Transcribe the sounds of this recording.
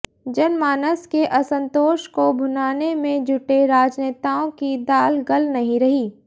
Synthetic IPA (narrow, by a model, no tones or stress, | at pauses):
d͡ʒɐnmaːnəskeʔɐsə̃nt̪oːʃkobʱʊnaːnemẽd͡ʒʱʊʈeɾaːd͡ʒneːt̪aːõkid̪aːlɡɐlnɐɦĩɾɐɦiː